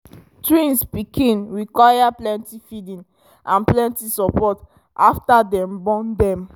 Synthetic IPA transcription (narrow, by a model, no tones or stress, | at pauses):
tɹĩnspikʰĩnɹikwajaplɛ̃ntifidĩn | ãnplɛ̃ntisɔpɔt | ʔaftadɛ̃mbɔ̃ndɛ̃m